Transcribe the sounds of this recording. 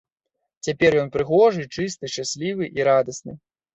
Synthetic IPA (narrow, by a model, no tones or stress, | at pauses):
t͡sʲapʲɛrjɔnpɾɨɣɔʐɨt͡ʂɨst̪ɨʂasʲlʲivɨʔiɾad̪ɐsnɨ